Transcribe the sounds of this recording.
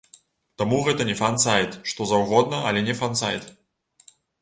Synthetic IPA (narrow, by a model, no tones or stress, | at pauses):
t̪amuɣɛt̪ɐnʲɛfansajt̪ʂt̪ɔzawɣɔd̪̚nɐʔɐlʲɛnʲɛfansa̰jt̪